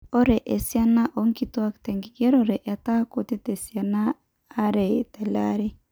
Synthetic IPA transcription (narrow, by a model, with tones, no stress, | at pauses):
ɔ˦ɾɛ˨ʔɛ˨sja˦na˦ʔo˨ŋki˨to˦a˦ktɛ˨ŋɡi˨ɡɛ˦ɾɔ˨ɾɛ˨ʔɛ˨ta˦ko˨t̪i˦tɛ˨sja˨naː˦ | ɾɛ˨tɛ˨la̰˦ɾɛ˦